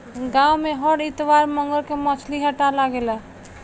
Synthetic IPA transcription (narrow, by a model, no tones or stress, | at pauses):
ɡãwmeɦəɽit̪ʋaɾməŋɡəɾkemət͡ʃʰliɦəʈalaɡela